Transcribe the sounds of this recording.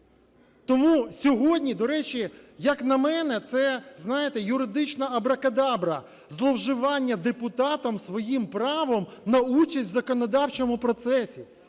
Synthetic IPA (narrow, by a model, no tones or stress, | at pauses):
t̪ɔmusʲɔɦɔdʲnʲid̪ɔɾɛt͡ʃijɐknɐmɛnɛt̪sɛznɑjɪt̪ɛjʊɾɪd̪ɪt͡ʃnɐɐbɾɐkɐd̪ɑbɾɐ | zlˠɔwʒɪʋɑnʲːɐd̪epʊt̪ɑt̪ɐmsʋɔjimpɾɑʋɔmnɐut͡ʃɐsʲtʲwzɐkɔnɔd̪ɑwt͡ʃɔmʊpɾɔt̪sɛsʲi